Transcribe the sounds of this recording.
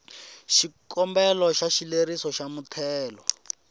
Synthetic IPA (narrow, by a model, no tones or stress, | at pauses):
ʃikʰɔmbɛlɔʃaʃileɾisɔʃamutʰɛːlɔ